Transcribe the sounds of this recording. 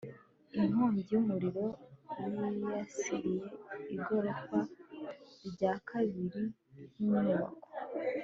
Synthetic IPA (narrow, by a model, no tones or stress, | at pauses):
inhoːɲɟijumuɾiɾo̞jijasiɾije̞iɡo̞ɾo̞kwa | ɾɟaːkʰaβiɾi | nunuβa̰ko̥